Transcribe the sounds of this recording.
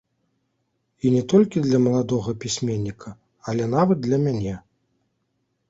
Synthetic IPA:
inʲɛt̪ɔlʲkʲid̪lʲɐmɐlˠad̪ɔɣɐpʲisʲmʲenʲːikʰɐ | ɐlʲɛn̪avɐd̪̚d̪lʲɐmʲanʲɛ

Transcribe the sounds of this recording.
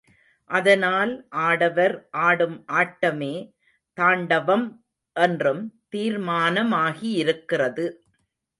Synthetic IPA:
ʔɐðɐnaːlʔaːɽɐʋɐɾʔaːɽɯmʔaːʈːɐmeː | t̪aːɳɖɐʋɐm | ʔɛndrɯmt̪iːɾmaːnɐmaːɣiɪɾɯkːɪrɐðɯ

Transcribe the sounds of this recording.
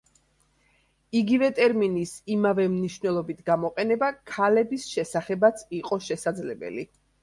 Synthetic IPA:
iɡivɛt̪ʼɛɾminisimavɛmniʃvnɛlˠɔbit̪ʰɡamɔqʼɛnɛbakʰalɛbisʃɛsaχɛbat̪sʰiqʼɔʃɛsad̪zlɛbɛ̰li

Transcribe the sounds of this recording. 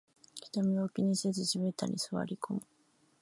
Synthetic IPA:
kʲi̥t̪amʲiokʲiɲisezɨɕibet̪a̰ɾʲʔʲḭsɨβa̰ɾʲikʰo̞mɯ̟

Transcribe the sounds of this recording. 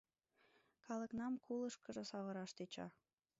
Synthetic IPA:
kɑlə̆knɑmkʰuləʃkə̆ʒə̆sɑβə̆ɾɑʃt̪et͡ɕɑ̰

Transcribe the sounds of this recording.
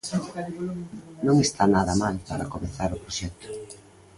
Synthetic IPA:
nõŋest̪ʰanaðɐmalpaɾɐkomeθaɾʊpɾoʃɛk̚t̪ʊ̥

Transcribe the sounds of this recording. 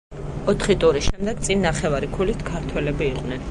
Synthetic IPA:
ɔt̪ʰχit̪ʼuɾisʃɛmd̪ɛɡt̪sʼinːaχɛvaɾikʰulit̪ʰkʰaɾt̪ʰwɛlɛbiːqʼnɛn

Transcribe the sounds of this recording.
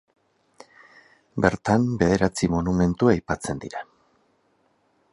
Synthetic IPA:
be̞ɾt̪ambe̞ðe̞ɾat͡simonume̞nt̪uajpat͡se̞nd̪ḭɾa

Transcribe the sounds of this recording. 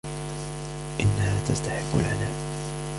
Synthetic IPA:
ʔɪnːahaːt̪ast̪aħɪbːʊ̰lʕanaːl

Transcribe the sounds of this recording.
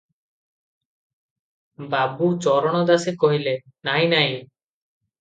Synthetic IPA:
babut͡ʃɔɾɔɽ̃ɔd̪asekɔɦile | naɦinaj

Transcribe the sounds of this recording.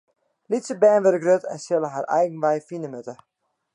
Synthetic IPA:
litsəbɛːnʋəɾəɡrøtɛ̰nsɪlˠəɦarʔɛ̰jɣən̩ʋɛjfinəmøtə

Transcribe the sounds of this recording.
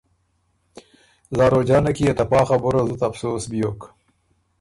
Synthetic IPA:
zɑːɾod͡ʒɑːnakijat̪apɑːχaboɾazut̪ɐfsoːsbijok

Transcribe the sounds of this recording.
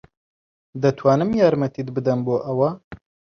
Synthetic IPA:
d̪ɐt̪ʰwaːnɨmjaːɾmɐt̪ʰid̪bɨd̪ɐnboːʔɐwɐ

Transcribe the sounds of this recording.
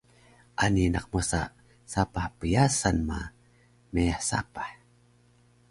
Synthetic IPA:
ʔanina̰q̚masa | sapaħpəjasanma̰ | meaħsa̰pḁħ

